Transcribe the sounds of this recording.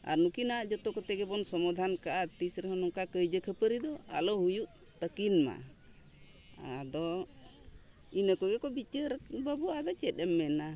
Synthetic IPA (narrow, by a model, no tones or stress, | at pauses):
a̰ɾnukinaaʔd͡ʒɔt̪ɔkɔt̪ɛɡɛbɔnsɔmad̪ʱankaʔat̪isɾɛɦɔnɔŋkakəjd͡ʒəkʰəpəɾid̪ɔa̰lɔhujuʔ | t̪əkinma̰ | a̰d̪ɔ | inəkɔɡɛkɔbit͡ʃəɾbabuʔad̪ɔt͡ʃɛt̪̚ɛmːɛna